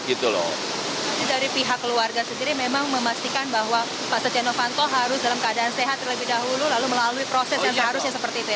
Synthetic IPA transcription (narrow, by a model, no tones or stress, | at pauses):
ɡit̪ulɔ̰ | asidaɾipiɦakːəluarɡasəndiɾimemaŋməmast̪ikanbaɦwa | paʔsət͡ʃenofant̪oɦaɾʊsdalamkəadaːnseɦat̪ːərləbɪhdaɦululaluməlaluipɾosɛsjaŋsəɦaɾʊsjasəpərt̪iːt̪uja